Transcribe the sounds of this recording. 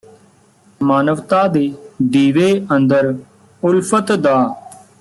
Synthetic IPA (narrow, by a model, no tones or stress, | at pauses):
maːnəʋt̪aːd̪eːd̪iːʋeːʔənd̪əɾ | ʊlpʰət̪d̪aː